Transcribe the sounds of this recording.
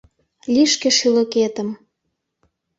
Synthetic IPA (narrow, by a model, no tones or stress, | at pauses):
lʲiʃkĕʃylə̆ket̪ə̆m